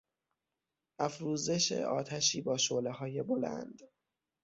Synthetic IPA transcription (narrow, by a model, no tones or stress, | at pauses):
ʔæfɾuːze̞ʃḛʔɒ̰ːt̪ʰæʃiːbɒːʃoːle̞hɒːje̞bolæ̰nd̪̥